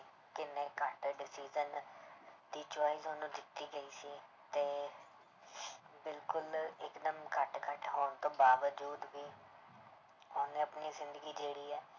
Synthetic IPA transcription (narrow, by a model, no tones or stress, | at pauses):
kɪnẽːkəʈɖɪsiːzən | d̪iːt͡ʃaːiːzonũːd̪ɪt̪ːiːɡəiːsiː | t̪eː | bɪlkʊlɪkd̪əmkəʈkəʈɦoːɳt̪õːbaːʋəd͡ʒuːd̪biː | oːnẽːəpniːzɪnd̪əɡiːd͡ʒeːɽiːɛː